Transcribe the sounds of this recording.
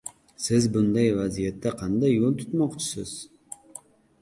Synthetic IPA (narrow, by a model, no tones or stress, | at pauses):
sɪzbʊnd̪ajvazijat̪ːaqʰɑnd̪ajːolˠt̪ʰʊ̥t̪mɒqt͡ʃʰɪ̥sɪz̥